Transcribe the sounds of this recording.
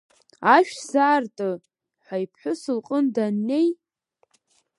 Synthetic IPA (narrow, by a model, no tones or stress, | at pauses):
aʃᶣzaːrtʼɨ | ħʷajpʰħʷᶣʊsɨlqʼəndanːe̞j